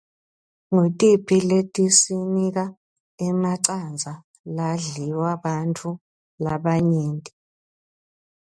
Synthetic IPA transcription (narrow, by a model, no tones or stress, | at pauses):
ŋutʼipʰiletʼisinik̬a | ɛmaǀand͡zʱa | laɮiwaβantʰu | laβaɲeːntʼi